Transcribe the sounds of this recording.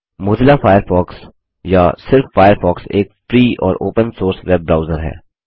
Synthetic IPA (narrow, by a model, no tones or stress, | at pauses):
moːd̪ɪlafʰaːjəɾfɔːks | jasɪɾfːaːjəɾfʰɔːkseːkfɾiːɔ̰ːɾo̰ːpə̃nsoːɾsʋɛb̚bɾaːʊzəɾɦɛ̰ː